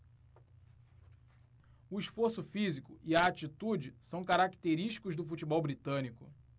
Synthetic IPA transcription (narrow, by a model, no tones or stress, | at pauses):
ʊiʃfoɾsʊfizikʊiɐat͡ʃit̪ud͡ʒɪsɐ̃w̃kaɾakt̪eɾiʃt͡ʃi̥kʊʒd̪ʊfut͡ʃibɔwbɾit̪ɐ̃nikʊ